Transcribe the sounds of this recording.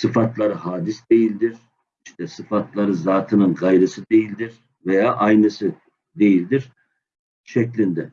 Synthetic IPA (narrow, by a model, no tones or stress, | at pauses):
sɯfat̪ʰlˠaɾɯhaːd̪isd̪e̞jilʲd̪iɾ̥ | iʃt̪ʰɛsɯfat̪ʰlˠaɾɯzaːt̪ʰɯnɯnɡajɾɯsɯd̪e̞jilʲd̪iɾ | vejaːʔajnɯsɯ | d̪e̞jilʲd̪iɾ̥ | ʃɛclʲind̪ɛ